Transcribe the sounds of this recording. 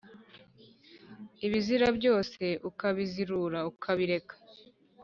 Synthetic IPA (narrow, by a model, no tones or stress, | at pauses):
iβiziɾabɟo̞ːse̞ʔukaβiziɾuɾaukʰaβiɾe̞kḁ